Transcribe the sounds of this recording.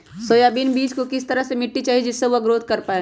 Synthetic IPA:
soːjaːbiːnbiːd͡ʒkokɪst̪ɐɾəɦsemɪʈːit͡ʃaːɦid͡ʒɪsːeʋoɐɡɾoːd̪̚ʱkɐɾpaːe

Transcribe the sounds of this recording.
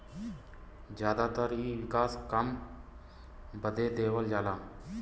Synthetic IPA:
d͡ʒjaːd̪aːt̪əɾiːʋɪkaːskəm | bəd̪eːd̪eːʋəld͡ʒaːlaː

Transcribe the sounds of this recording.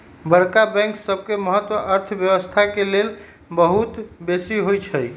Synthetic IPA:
bəɽkabɛ̃ŋksəb̚ʱkeməɦət̪ːwəʔəɾt̪ʰbjəwəst̪ʰakelel | bəɦut̪besiɦojt͡ʃʰəj

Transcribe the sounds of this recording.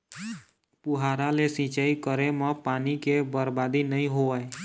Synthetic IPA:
puɦaɾalesĩt͡ʃaikəɾemə̃panikebəɾbad̪inəĩɦoəe

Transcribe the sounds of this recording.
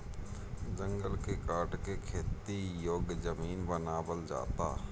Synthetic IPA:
d͡ʒə̃ŋɡəlkekaːɾʈkekʰeːt̪ijoːɡd͡ʒəmiːnbənaːbəld͡ʒa̰ːt̪a̰ː

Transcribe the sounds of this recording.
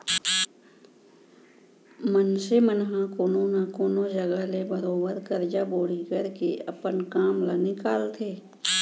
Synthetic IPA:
mənsemənɦãkoːnonakoːnod͡ʒəɡalebəɾoːbəɾkəɾd͡ʒaboːɽ̤ikəɾkḛɐpənkaːmlanɪkaːlt̪ʰeː

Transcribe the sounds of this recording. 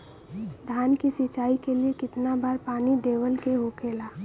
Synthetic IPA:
d̪ʱaːnkisɪt͡ʃaːikeliekɪt̪nabaːɾpaːnid̪eːʋəlkeɦokeːlaː

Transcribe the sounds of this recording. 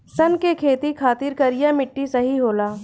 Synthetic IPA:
sɐnkekʰeːt̪ikʰaːt̪ɪɾkɐɾijamɪʈːisɐɦiɦoːlaː

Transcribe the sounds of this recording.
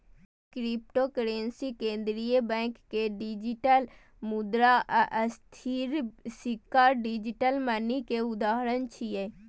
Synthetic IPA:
kɾip̚ʈokəɾẽnsikẽːnd̪ɾijəbɛ̃ːŋkːeɖid͡ʒiʈəl | mud̪ɾaʔʔəst̪ʰiɾsikːaːɾɖid͡ʒiʈəlmənikeʊd̪aːɦɾənt͡ʃʰije

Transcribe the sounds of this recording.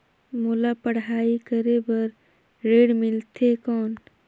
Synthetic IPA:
molapəɽ̤aːikəɾebəɾ | ɾeːɽmɪlt̪ʰekɔːn

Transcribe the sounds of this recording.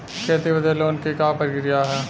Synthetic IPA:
kʰeːt̪iʋəd̪eloːnkikapəɾkɾijaɦɛː

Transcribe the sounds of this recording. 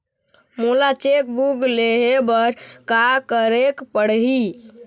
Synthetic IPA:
mulat͡ʃek̚buɡleɦebəɾkakəɾekpəɽɦi

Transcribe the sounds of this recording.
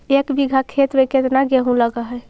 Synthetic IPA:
ekbiɡʱakʰet̪beket̪naɡeɦũləɡəɦɛj

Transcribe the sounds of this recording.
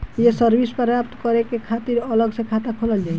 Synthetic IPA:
jesəɾbʱispɔjapt̪kɔɾekekʰat̪iɾəlɔɡsekʰat̪akʰoləld͡ʒaj

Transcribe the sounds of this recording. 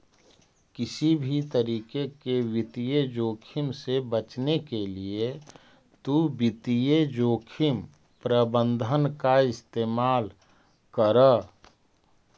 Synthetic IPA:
kɪsibʱit̪əɾiːkekeʋɪt̪ijed͡ʒoːkʰɪmsebət͡ʃnekelie | t̪ubɪt̪ijed͡ʒoːkʰɪm | pɾəbə̃nd̪ʱənkaɪst̪eːmaːl | kəɾə

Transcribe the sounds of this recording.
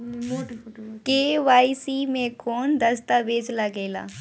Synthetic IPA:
keːʋaːisiːmẽkʰoːnd̪əst̪aʋeːd͡ʒlaɡeːla̰ː

